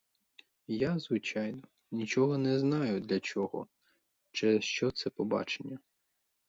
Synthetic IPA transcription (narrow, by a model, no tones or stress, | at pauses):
jazʋɪt͡ʃɑjnɔ | nʲit͡ʃɔɦɔnɛznɑjʊd̪lʲɐt͡ʃʲɔɦɔ̰ | t͡ʃɛʃt͡ʃɔt̪sɛpɔbɑ̰t͡ʃenʲːɐ